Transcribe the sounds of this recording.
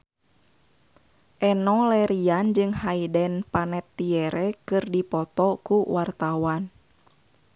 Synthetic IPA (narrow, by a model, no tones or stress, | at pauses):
ʔɛnɔlɛɾiand͡ʒɨŋhaidɛnpanɛt̪ːiɛɾɛkɨrdipɔt̪ɔkuwart̪awan